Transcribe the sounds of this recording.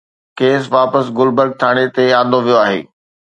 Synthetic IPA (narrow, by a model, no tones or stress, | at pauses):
keːsʋaːpəsɡʊlbəɾɡ̚t̪ʰaːɽ̃et̪eãːnd̪oʋijoaːɦḛː